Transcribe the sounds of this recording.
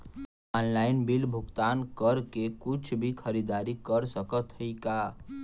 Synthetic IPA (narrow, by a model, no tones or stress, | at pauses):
ɔnlajnbilbʱuɡt̪ankəɾkekut͡ʃʰbʱikʰəɾid̪aɾikəɾsəkət̪ʰəjka